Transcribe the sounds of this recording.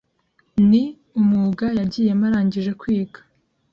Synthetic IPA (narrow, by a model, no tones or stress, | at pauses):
ni | umuːɡajaɟiːje̞maɾaːɲɟiʒe̞kwiːɡḁ